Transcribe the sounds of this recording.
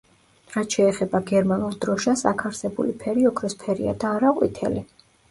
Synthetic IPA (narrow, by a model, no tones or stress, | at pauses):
ɾat̪ʃɛːχɛbaɡɛɾmanulˠd̪ɾɔʃasa̰kʰaɾsɛbṵlipʰɛɾiɔkʰɾɛspʰɛɾḭa̰d̪aːɾaqʼwḭt̪ʰɛ̰li